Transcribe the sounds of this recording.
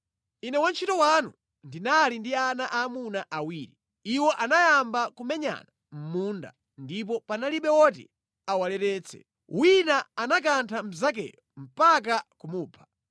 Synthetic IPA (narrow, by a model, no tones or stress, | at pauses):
inɛwant͡ʃʰitɔwanṵ | ndinalindianaʔaːmunaʔawiːɾi | iwɔʔanajambakumɛɲa̰na | m̩munda̰ | ndip̬ɔpanaliɓɛwɔt̬ḭ | awalɛɾɛːt͡sʰɛ̰ | wʔinaanak̬antʰam̩zak̬ɛ̰jɔm̩pak̬akumuːpʰḁ